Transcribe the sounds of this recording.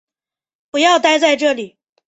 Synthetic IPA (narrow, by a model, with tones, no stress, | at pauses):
pu˧˥jɑ˥˧ʊt̪a˥˧ɪt͡sa˥˧ɪʈ͡ʂɤ˥˩li˨˩˦